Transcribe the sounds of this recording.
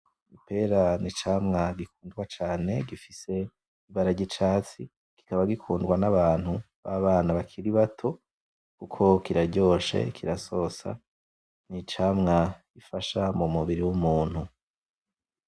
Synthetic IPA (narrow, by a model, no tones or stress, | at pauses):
ipe̞ɾanit͡ʃaːmŋaɡikʰuːndɡwat͡ʃaːne̞ɡifise̞ | iβaɾaɟit͡ʃaːt͡si | ki̥kaβaɡikʰuːndɡwanaβaːnhu | βaβaːnaβakʰiɾiβatʰo̞ | kukʰo̞kiɾaɟo̞ːʃe̞̰kʰiɾaso̞ːsa̰ | nit͡ʃaːmŋaɡifaʃamumuβiɾiwumuːn̥hu